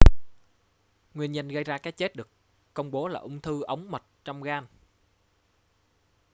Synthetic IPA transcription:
ŋwi˧ənɲə˧nɣə˧jzaː˧kaː˨˦jt͡ɕe˦˥t̚ɗɨ˨˩ək | kːə˧wŋ͡mɓo˨˦laː˨˩ʔʊ˧wŋ͡mt̪ʰɨ˧ʔə˨˦wŋ͡mmə˨˩t̚t͡ɕɔ˧wŋ͡mɣaː˧n

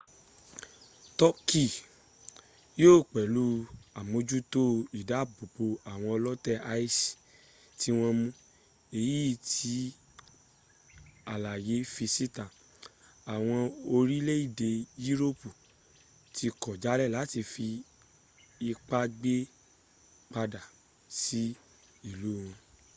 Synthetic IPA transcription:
tɔ˦ki˦˨ | joː˦˨k͡pɛ˨lu˨˦a˨mõ˨˧˦d͡ʒu˦to˦i˨da˨˦˨bu˨po˧a˨w̃ɔ̃˧ɔ˧lɔ˦tɛ˦a˧i˦si̥˨ | ti˦w̃ɔ̃˧mũ˦ | e˦˨ji˦˨tʰi˧˦ | a˨la˨je˨˦fi˧si˦tã˨ | a˨w̃ɔ̃˧o˧ɾi˦le˦i˦˨de˧ji˦ɾo˦pu˨ | tʰi˧kɔ˨d͡ʒa˨˦lɛ˦˨la˨˦ti˧fi˧ | i˧k͡pa˦ɡ͡be˦ | k͡pa˧da˨ | si˦ | i˦˨lu˨˦˨w̃ɔ̃˧

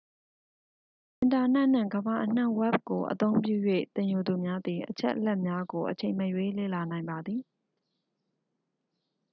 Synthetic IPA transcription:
ʔɪ̃˨nta˨n̥ɛ˦ʔn̥ã̰˦˨ɡəba˨ʔən̥ã˦˨wɛ˦˨p̚ko˨ʔə̰t̪õ˦ʊ̃mpjṵ˦˨jwḛ˦˨t̪ɪ̃˨ju˨d̪u˨mja˦d̪ði˨ʔət͡ɕʰɛ̰˦ʔəlɛ˦ʔmja˦ɡo˨ʔət͡ɕʰẽ˨ɪ̃məjwe˦˨lḛ˦˨la˨nã˨ɪ̃mba˨d̪ði˨

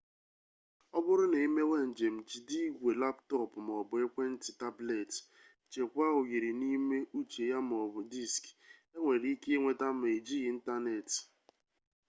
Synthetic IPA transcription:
ɔ˦bʊ˦ɾʊ˦ne˨i˦me˦we˦n̩˨d͡ʒe˨m̩˨t͡ʃi˨di˦ɡʷe˨la˦ptɔ˦pʊ˨m˨ɔ˨bʊ˨e˦kʷe˦n̩˦tɪ˨ta˦ble˨t | t͡ʃe˨kʷa˦ʊ˨ji˨ɾi˨ni˦me˦u˦t͡ʃe˨ja˦m˨ɔ˨bʊ˨di˦˨ske˦ŋʷe˨ɾi˦ke˦e˦ŋʷe˨ta˦m̩˦˨e˨d͡ʒi˦i˨˦n̩˦ta˦ne˨t

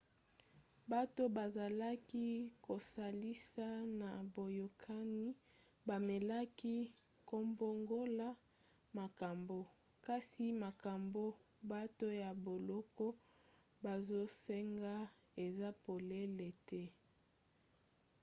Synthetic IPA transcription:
ba˦to˦ba˨za˨la˦ki˦ko˨sa˨li˦sa˦na˨bo˨jo˨kʰa˦ni˦ | ba˨me˨la˦ki˦ | ko˦mbo˦ŋɡo˦la˦ | ma˨ka˨mbo˦ | ka˦si˨ma˨ka˨mbo˦ | ba˦to˦ja˨bo˨lɔ˦kɔ˦ | ba˨zo˦se˦ŋɡa˦ | e˨za˦po˨le˦le˨tɛ˦

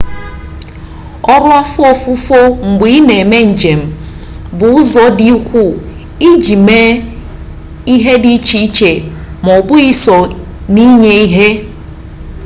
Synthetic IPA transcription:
ɔ˦ɾʊ˦a˦fʊ˦ɔ˦fu˦fo˦ŋ͡m̩˨ɡ͡bi˦ne˨me˦n̩˨d͡ʒe˨m̩˨ | bʊ˨ʊ˦zɔ˦di˦u˦kʷu˦˨ | i˦d͡ʒi˨me˦ | i˦ɦe˦di˦t͡ʃi˦i˦t͡ʃe˨mɔ˨bʊ˦i˦sɔ˨ | ni˦ɲe˦i˦ɦe˦

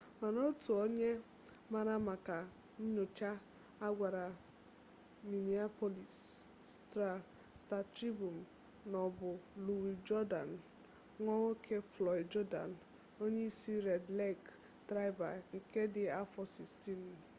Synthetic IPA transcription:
ma˨no˦tu˨o˦ɲe˦ | ma˨ɾa˦ma˨ka˨ | n̩˦ɲʊ˨t͡ʃa˦ | a˦ɡʷa˨ɾa˨ | mi˨ni˨a˦po˦li˨s | ta˨ | sta˨tɾi˦bu˨m˨ | nɔ˨bʊ˨lu˨wi˨d͡ʒɔ˦da˨n | ŋʷɔ˦o˦kʰe˦flɔ˨i˨d͡ʒɔ˦da̰˨n | o˦ɲe˦i˦si˦ɾe˨dle˦k | tɾa˦jba̰˨ŋ̩˨ke˦dɪ˨a˦fɔ˦si˨sti˦n˨

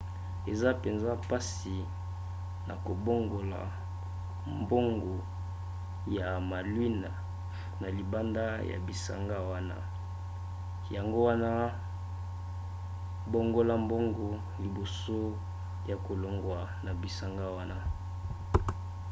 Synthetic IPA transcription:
e˨za˦pe˨nza˦pa˦si˨ | na̰˨ko˨bo˦ŋɡo˨la̰˨ | mbo˦ŋɡo˨ | ja˨ma˨lwi˦na˨ | na˨li˨ba˦nda˦ja̰˨bi˨sa̰˨ŋɡa˦wa˦na̰˦ | ja˨ŋɡo˦wa˦na˦ | bo˦ŋɡo˦la˦mbo˦ŋɡo˨ | li˨bo˨so˦ | ja˨ko˨lo˨ŋɡwa˨ | na˨bi˨sa˨ŋɡa˦wa˦na˦

